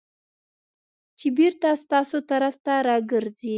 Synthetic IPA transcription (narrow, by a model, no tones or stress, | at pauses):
t͡ʃɪbiɾt̪ast̪ɑsot̪aɾaft̪aɾɑɡəɾd͡zi